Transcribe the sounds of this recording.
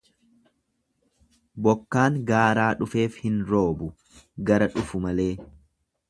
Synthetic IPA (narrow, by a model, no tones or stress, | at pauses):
bɔkːaːŋɡaːɾaːᶑʊfe̞ːfhɪnɾo̞ːbʊ | ɡɐɾɐᶑʊfʊmɐle̞ː